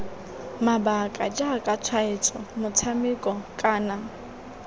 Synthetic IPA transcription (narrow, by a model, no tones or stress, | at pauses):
mabakʼad͡ʒakʼat͡sʰwaɪt͡sʼɔmʊt͡sʰamɪkʼɔkʼaːna